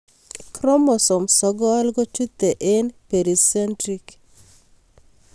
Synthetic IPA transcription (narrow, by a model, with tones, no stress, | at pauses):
kɾɔ˦mɔ˨sɔ˨msɔ˦ɡɔ˦a˦lɡɔ˦t͡ʃu˦t̪ːe˨ʔe˦npe˨ɾi˨sɛ˦ntɾik